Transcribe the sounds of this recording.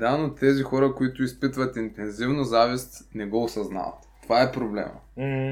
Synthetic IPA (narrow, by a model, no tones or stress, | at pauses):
d̪anot̪ːɛzixɔɾəkoit̪ʊispit̪vət̪int̪ɛnzivnʊzavist̪nɛɡɔosɐzna̰vɐ̰t̪t̪ovaɛpɾoblɛ̰mə̰